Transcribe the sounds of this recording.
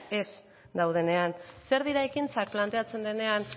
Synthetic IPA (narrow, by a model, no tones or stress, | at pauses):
e̞s | d̪awð̞e̞ne̞anse̞ɾðiɾaekint͡sak̚plant̪e̞at͡se̞nd̪e̞ne̞an